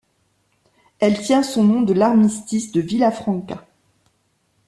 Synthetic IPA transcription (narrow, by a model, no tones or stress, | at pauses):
ɛlt̪jɛ̃sɔ̃nɔ̃d̪əlaʁmist̪isd̪əvilafχɑ̃ka